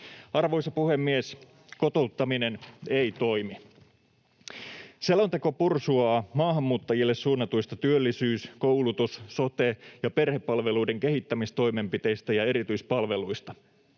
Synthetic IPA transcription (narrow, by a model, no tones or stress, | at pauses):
ɑrʋojsɑpuhe̞mːies | ko̞t̪o̞ut̪ːɑminenejt̪o̞jmi | selːont̪e̞ko̞pursuɑːmɑːɦɑmːuːt̪ːɑjilːessuːnːɑt̪uist̪ɑt̪yølːisyːskowlut̪usso̞t̪ejɑpe̞rhepːɑlʋe̞luide̞ŋke̞ɦit̪ːæmist̪o̞jme̞mpit̪e̞jst̪æjɑe̞ɾit̪yispɑlʋe̞lujst̪ɑ